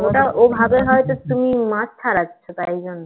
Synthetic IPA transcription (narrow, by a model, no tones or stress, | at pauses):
oʈaʔobʱabeɦɔet̪ot̪umimad͡ʑt̪ʰaɾatːʰot̪ajd͡ʑonːo